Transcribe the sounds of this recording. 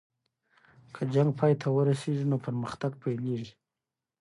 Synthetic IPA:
kʰəd͡ʒaŋɡ̚pʰɑjt̪ʰawəɾaseʐinopəɾməxt̪aɡpʰajleʐi

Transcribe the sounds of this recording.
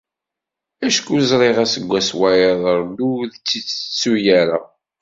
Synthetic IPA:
æʃkuzɾˤeʁæsəɡʷːæswæjəðˤəɾˤd̪uðt͡sːit͡sːə̥t͡sːujæɾa

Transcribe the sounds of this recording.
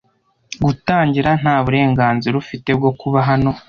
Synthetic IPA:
ɡutaːɲɟiɾan̥haːβuɾe̞ːŋɡaːnziɾaufite̞b̚ɡo̞kuβaɦano̞

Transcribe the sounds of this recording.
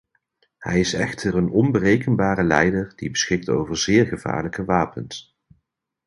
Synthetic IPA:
hɛ̰jɪsɛ̰χtʰərənɔnbərejkənbaːɾəlɛjdəɹd̥ibəsχɪk̚to̰wvəɹzɪːɹχəv̥a̰ːɹləkəʋaːpəns

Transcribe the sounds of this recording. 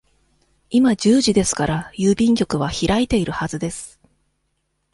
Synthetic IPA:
imad͡ʑɨːʑid̪e̞sɨ̥kaɾajɯːbʲĩŋkʲo̞kɯ̟βaçiɾait̪e̞iɾɯ̟hazɨd̪e̞sɨ̥

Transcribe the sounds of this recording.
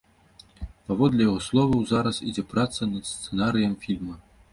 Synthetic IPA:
pavɔd̪lʲɛjaɣɔslˠɔvɐwzaɾɐsid͡zʲɛpɾat̪sɐnɐd̪st̪sɛnaɾɨjɐmfʲilʲmɐ

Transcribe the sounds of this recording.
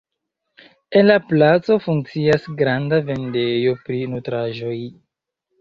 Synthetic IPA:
e̞nlaplat͡so̞fuŋkt͡siasɡɾandave̞nde̞jo̞pɾinutɾaʒo̞j

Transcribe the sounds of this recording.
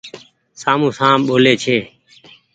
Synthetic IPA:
saːmũːsãːɓoːleːt͡ʃʰeː

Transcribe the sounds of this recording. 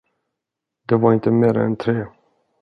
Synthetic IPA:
d̪̥ɛvaɾɪnt̪əmeːɾa̰ɛ̰nt̪ʰɾeː

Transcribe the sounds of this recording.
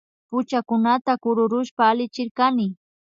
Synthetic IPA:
pʊt͡ʃakʊnat̪akʊɾʊɾʊʃpaːlɪt͡ʃɪɾkanɪ

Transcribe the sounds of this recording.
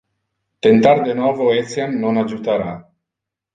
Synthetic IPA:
t̪ent̪aɾd̪enavoesemnonad͡ʒut̪aɾa

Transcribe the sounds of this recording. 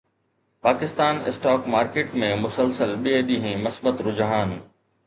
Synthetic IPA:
paːkɪst̪aːnɪ̰sʈaːkmaːɾkeːʈmẽmʊsəlsəlɓieɗ̪iːɦĩmɐsbət̪ɾʊd͡ʑɦaːn

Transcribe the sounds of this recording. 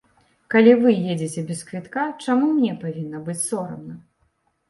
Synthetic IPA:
kalʲivɨjed͡zʲit͡sʲɛbʲɛskvʲit̪kat͡ʂamumnʲɛpavʲinːɐbɨt͡sʲsɔɾɐ̰mnɐ

